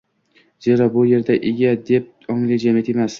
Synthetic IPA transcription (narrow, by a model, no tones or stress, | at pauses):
z̥e̞ɾabʊje̞ɾd̪aʔeɡʲad̪e̞p̚ | ɒŋlɪd͡ʒamijat̪ʰemas